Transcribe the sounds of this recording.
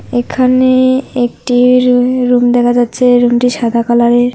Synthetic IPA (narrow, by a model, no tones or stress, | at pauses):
ekʰaneek̚ʈiɾumd̪ɛkʰad͡ʑatːɕʰeɾumʈiʃad̪ʱakalaɾeɾ